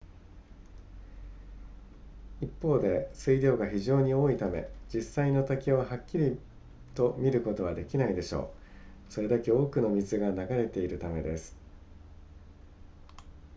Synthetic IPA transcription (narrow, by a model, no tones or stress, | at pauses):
ipːo̞ːd̪e̞sɨiɾʲjo̞ːɡaçiʑo̞ːɲ̟io̞ːit̪ame̞̰d͡ʑisːaino̞t̪akʲiβaɦakʲːiɾʲi | t̪o̞mʲiɾɯ̟ko̞t̪o̞β̞ad̪e̞kʲinaid̪e̞ɕo̞̰ː | so̞ɾe̞d̪ake̞o̞ːkɯ̟no̞mʲizɨɡanaɡaɾe̞t̪e̞iɾɯ̟t̪ame̞d̪e̞sɨ̥